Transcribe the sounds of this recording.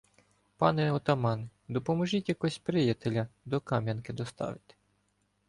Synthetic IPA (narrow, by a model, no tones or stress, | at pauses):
pɑnɛɔt̪ɐmɑnd̪ɔpɔmɔʒitʲjɐkɔsʲpɾɪjɐt̪elʲɐd̪ɔkɑmʲjɐnkɪd̪ɔst̪ɑ̰ʋɪt̪ɪ̥